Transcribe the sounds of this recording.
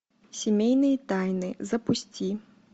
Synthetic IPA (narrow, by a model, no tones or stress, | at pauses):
sʲɪmʲejnɨjɐt̪ajnɨzɐpusʲt͡sʲi